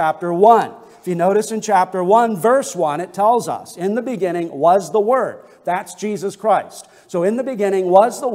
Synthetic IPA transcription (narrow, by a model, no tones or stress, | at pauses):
æp̚tə˞wʌ̃n | ɪfjɨnoʊɾɨsɨ̃nt͡ʃʰæp̚tə˞wʌ̃nvɜ˞swʌ̃nɨtʰɛlˠzʌ̰sɪ̃nðɨbɨɡɪ̃ɾ̃ɪ̃ŋwʌzðəwɜ˞d̪̚ðætsd̥ʒ̥izɨskʰɹ̥aɪst | soʊɨ̃nðɨbɨɡɪ̃ɾ̃ɪ̃ŋwʌzðə